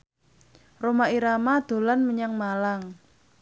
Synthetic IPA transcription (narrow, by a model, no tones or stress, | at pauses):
romaiɾamad̪̥o̤lanməɲaŋmalaŋ